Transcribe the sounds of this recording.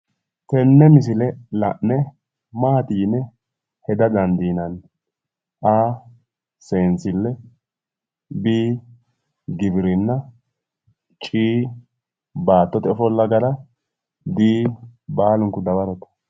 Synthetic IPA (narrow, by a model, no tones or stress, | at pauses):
fɛnːɛmɪsɪlɛlɐ̰ʔnɛ | maːt̪iːnːɛ | hɛd̪ɐd̪ɐnd̪iːnɐn | ʔaː | seːnt͡sɪlːɛ | biː | ɡɪbɪɾɪnːɐ | t͡ʃʼiː | baːt̪ːɔt̪ɛɔfɔlːɐɡɐɾɐ | biːbaːlʊŋkʊd̪ɐbɐɾɔt̪ɐ̥